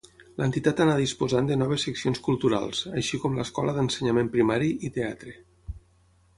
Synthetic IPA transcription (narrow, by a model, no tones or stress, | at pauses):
lənt̪it̪at̪anaðispozand̪ənɔβ̞əsːəksionskulˠt̪uɾa̰lˠzəʃikɔmləskɔləðənsəɲamempɾimaɾiʔit̪eat̪ɾe